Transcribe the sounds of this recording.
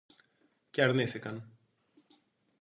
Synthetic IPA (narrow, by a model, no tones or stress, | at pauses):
ceɐɾniθikɐn